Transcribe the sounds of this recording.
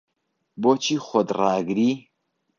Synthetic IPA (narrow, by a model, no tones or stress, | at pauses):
bot͡ʃʰixʷɔd̪raːɡɾi